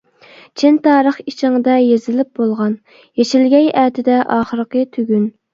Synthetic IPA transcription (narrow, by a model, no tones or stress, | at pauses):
t͡ʃʰint̪ɑːɾəχit͡ʃʰɪŋd̪ɛjezɪlɪp̚bolˠʁɑn | jet͡ʃʰilɡʲɛjæːt̪ʰɪd̪ɛʔɑːχəɾqət̪ʰyɡʲyn